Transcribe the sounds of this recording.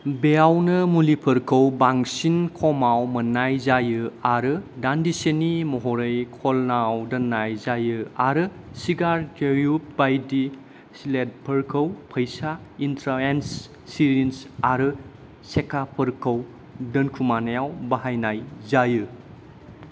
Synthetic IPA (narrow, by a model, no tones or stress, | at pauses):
beawnɯmulipʰəɾkʰəwbaŋsinkʰɔmawmɐnːajzajɯaɾɯdandisenimɔɦɔɾɐjkʰɔlnawdɐnːajzajɯaɾɯ | siɡaɾtʰeɾjup̚bajdi | slet̚pʰəɾkʰəwpʰɐjsaintʰɾaensː | iɾinsaɾɯ | sekapʰəɾkʰəw | dɐnkʰumanajawbaɦajnajzajɯ